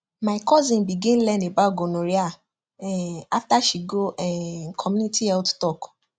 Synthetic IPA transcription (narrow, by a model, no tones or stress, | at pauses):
maɪkɔzĩnbiɡɛ̃n̩lɛ̃ndebaoɡonõɾia | ɛaftaʃiɡoɛkʰɔmũnitʰiɛlttɔk